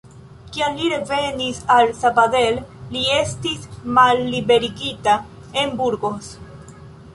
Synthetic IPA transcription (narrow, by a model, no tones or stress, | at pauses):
kianliɾe̞ve̞nisalsabade̞lːie̞stismalːibe̞ɾiɡita | e̞mbuɾɡo̞s